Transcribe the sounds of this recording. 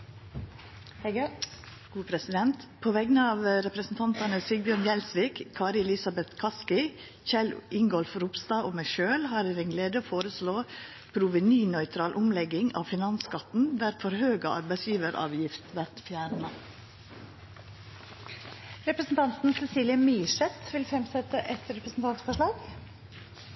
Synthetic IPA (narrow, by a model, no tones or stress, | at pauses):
ɡ̥uːpʰɾɛsɪd̪ɛnt̪pʰoːʋɛɡənəɑːʋɾɛpɾəsn̩t̪ʰɑnt̪ɑnəsɪɡ̚bjøːɳjɛlsʋiːkkʰɑːɾɪɛlɪsɑbɛt̪kʰɑskɪ | çɛlʔɪŋɡɔlfɾupst̪ɑːʔoːmæɪʃøːlhɑːɾeːɾeŋɡleːd̪əoːfoːɾəsloː | pʰɾuːʋənyːnœʏt̪ʰɾɑːlʔʊmlɛɡɪŋɑ̰ːʋfɪnɑnskɑt̪n̩ʋæɾt̪fɔɾhøːɡə̰ʔɑ̰ɾbæɪsjiːʋəɾɑ̰ːʋjɪft̪ʋæɾt̪fjæːɾɳə | ɾɛpɾəsn̩t̪ɑnt̪n̩sɛsiːljəmiːʂɛt̪ʋɪlfɾɛmsɛt̪əʔɛt̪ɾɛpɾəsn̩t̪ɑnt̪fɔʂɭɑːɡ